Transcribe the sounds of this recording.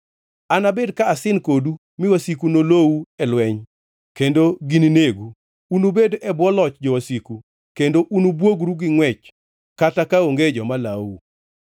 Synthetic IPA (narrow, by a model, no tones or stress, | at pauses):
anabedkaːsɪnkodu | mɪwasikunolowuɛlwɛɲ | kendoɡinineɡuː | nubedʔɛbwɔlɔt͡ʃd͡ʒɔwasiku | kendoʔunubwoɡɾuɡɪŋwɛt͡ʃ | katakaoŋɡed͡ʒɔmalawṵ